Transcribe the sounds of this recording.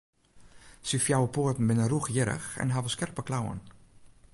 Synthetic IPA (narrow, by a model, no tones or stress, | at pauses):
sifjawəpoətn̩bɪnəruxjɪɾə̰xɛ̰nɦavəskɛrpəklawə̰n